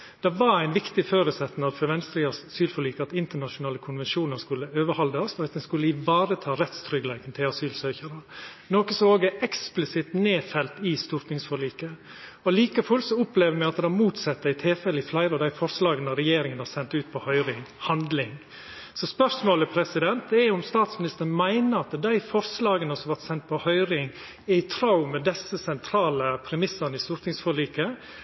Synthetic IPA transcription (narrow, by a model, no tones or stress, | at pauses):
d̪̥ɛʋɑɾæɪnʋɪkt̪ɪføːɾʉsɛt̪ːnɑfɔɾʋɛnst̪ɾiɑsyːlfɔɾɭiːkəɑt̪ɪnt̪əɳɑʂʊnɑːləkʰʊnʋɛnʃuːnəɾskʉlːəøːʋəɾhɑld̪əɑsɔɾɑt̪̚d̪ɛnskʉləɪʋɑːɾət̪ʰɑːɾɛt̪st̪ʰɾʏɡlæɪt̪ən̩t̪ʰɪlɑsyːlsøːçəɾənoːkəsɔmoːɡɛʔɛksplɪsɪt̪neːfɛlt̪ɪst̪ʊɾt̪nɪŋsfɔɾɭiːkə | ɔliːkəfʉlsɔʊpleːʋəɾmɛɑt̪d̪ɛmuːt̪sɑt̪ːəɾɪt̪ʰɪlfɛlːəɪflæɪɾəɔd̪æɪfɔɾslɑːɡənɑɾɛjeːɾɪŋənhɑɾsɛnt̪ʉːt̪̚pʰɔhœʏɾɪŋhɑnd̪lɪŋ | sɔspœʂmoːləpʰɾɛsɪd̪ɛnt̪d̪ɛʊmst̪ɑːt̪smɪnɪst̪əɾnmæɪnəɾɑt̪d̪æɪfɔɾslɑːɡənəsɔmɑʋæt̪sɛnt̪̚pʰɔhœʏɾɪŋ | ɛɪt̪ʰɾɑʊmɛd̪ɛsəsɛnt̪ʰɾɑːləpʰɾɛmɪsənəɪst̪ʊɾt̪nɪŋsfɔɭiːkə